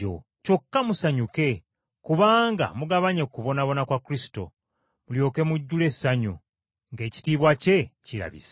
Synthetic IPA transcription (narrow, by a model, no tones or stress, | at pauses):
o̰ | co̞kːamusaɲuke̞ | kuβaːŋɡa̰muɡaβaɲe̞kːuβo̞naβo̞nakwakuɾisi̥to̞̰ | muljo̞ːke̞muɟːule̞sːaɲṵ | ŋɡe̞ːci̥tiːβwace̞ciɾa̰βḭsḁ